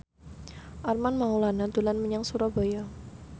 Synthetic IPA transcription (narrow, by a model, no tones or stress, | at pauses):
ʔarmanmaulanat̪ulanməɲaŋsuɾabaja